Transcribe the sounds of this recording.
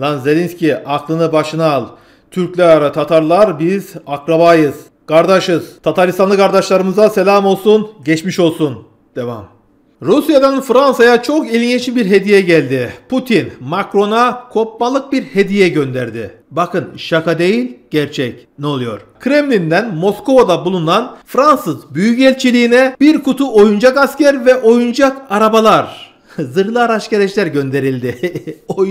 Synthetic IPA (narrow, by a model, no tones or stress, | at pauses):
lanze̞lʲinsʲciʔaklˠɯnɯbaʃɯnaːlˠ | t̪ʰyɾclʲæɾt̪ʰat̪ʰaɾlˠaɾbizakɾabajɯz̥ | kʰaɾd̪aʃɯzt̪ʰat̪ʰaɾist̪anˠɯkʰaɾd̪aʃlˠaɾɯmɯzase̞lʲaːmo̞lˠsunɟɛt͡ʃmiʃo̞lˠsun | d̪̥eva̰m | ɾusjad̪anfɾansajat͡ʃʰo̞kilʲinet͡ʃʰinbiɾɦe̞d̪ijɛɟælʲd̪ɪpʰut̪ʰinmakɾo̞nakʰo̞p̚malˠɯk̚biɾhe̞d̪ijɛɟø̞nd̪æɾd̪ɪ̰ | bakɯnʃakad̪e̞jilʲɟ̥æɾt͡ʃʰɛcnɛo̞lˠujo̞̰ɾ̥kʰɾemlʲind̪ænmo̞sko̞vad̪abulˠunanfɾansɯzbyjycɛlʲt͡ʃʰilʲiːnɛbiɾkʰut̪ʰuʔo̞jund͡ʒakascæɾvɛʔo̞jund͡ʒakaɾabalˠaɾ | zɯɾlˠɯaɾaʃceɾed͡ʒlʲæɾɟø̞nd̪e̞ɾilʲd̪ɪo